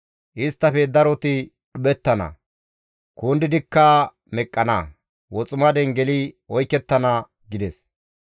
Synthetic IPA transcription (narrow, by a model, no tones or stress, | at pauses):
ʔɪst̪ːɐfɛd̪ɐɾɔt̪ɪ | ɗʊbɛt̪ːɐnɐ̰ | koːnd̪ɪd̪ɪkːɐ | mɛkʼːɐnɐ̰ | wɔt͡sʼʊmɐd̪ɛŋɡɛlɪɔjkːɛt̪ːɐnɐ | ɡɪd̪ɛs